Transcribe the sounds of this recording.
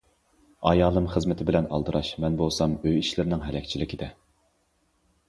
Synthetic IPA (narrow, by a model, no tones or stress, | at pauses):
ɑjɑːlˠɨmχəzmɪt̪ʰɪbɪlɛnɑ̰lˠd̪ɨɾɑʃmɛnbolˠsɑmøjiʃlɪɾnɪŋɦɛlɛkʲt͡ʃʰilɪkʲid̪ɛ